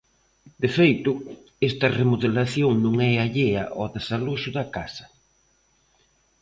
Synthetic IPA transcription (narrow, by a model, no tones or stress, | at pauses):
d̪̥efejt̪ʊ | est̪ɐremoðelaθjoŋnõŋɛaʎeɐʔɔðesaloʃʊðɐkasɐ̥